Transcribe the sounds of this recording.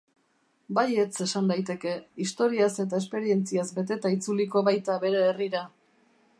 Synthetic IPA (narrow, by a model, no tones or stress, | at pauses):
baje̞t͡se̞sand̪ajt̪e̞ke̞ist̪o̞ɾiase̞t̪̬aespe̞ɾie̞nt͡siazbe̞t̪e̞t̪ait͡suliko̞βajt̪aβe̞ɾe̞ːriɾa